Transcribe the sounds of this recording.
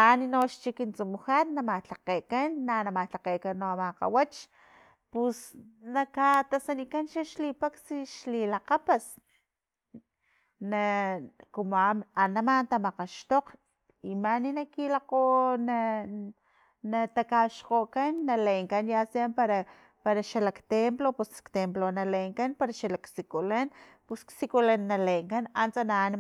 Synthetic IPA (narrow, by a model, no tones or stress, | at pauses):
aninoʃt͡ʃikint͡sumuxanːamat͡ɬaqekanːanamat͡ɬaqeːkanːoamaqa̰wat͡ʃ | pusnakat̪asanikanʃaʃlipaksiʃlilaqapas | nakumoamanamant̪amaqaʃt̪oq | imaninakilaqona | nat̪akaʃqokanːalejŋkanjasiampaɾa | paɾaʃalakt̪emplopuskt̪emplonalejŋkanpaɾaʃalaksikulan | pusksikulanːalejŋkanant͡sanan